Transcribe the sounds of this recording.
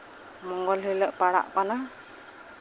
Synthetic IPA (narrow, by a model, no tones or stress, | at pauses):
mɔŋɡɔlɦɯjləʔpaɽa̰ʔpana